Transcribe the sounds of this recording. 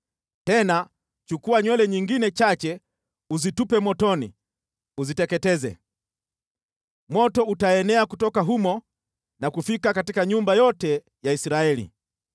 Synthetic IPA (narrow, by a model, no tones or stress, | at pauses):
tɛna | t͡ʃukuwaɲwɛlɛɲiŋɡinɛt͡ʃat͡ʃɛ | uzitupɛmɔtɔnḭ | uzitɛkɛtɛzɛ̰ | mɔtɔutaɛnɛakutɔkaɦumɔ | nakufikakatikaɲumbajɔtɛ | jaisiɾaɛlḭ